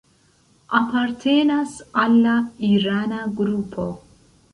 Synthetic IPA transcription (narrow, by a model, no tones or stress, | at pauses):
apaɾt̪ʰenasalːaiɾanaɡɾupʰo̞̰